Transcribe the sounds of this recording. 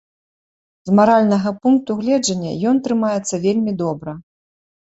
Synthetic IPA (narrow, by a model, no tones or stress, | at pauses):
zmaɾalʲnɐɣɐpunk̚t̪uɣlʲɛd͡ʐɐnʲːɐ̰jɔnt̪ɾɨmajɛt̪sːɐvʲelʲmʲid̪ɔbɾɐ